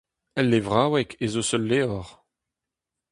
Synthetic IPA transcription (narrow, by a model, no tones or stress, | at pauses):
ɛlːevʁaːwɛkʰezosœlːeɔʁ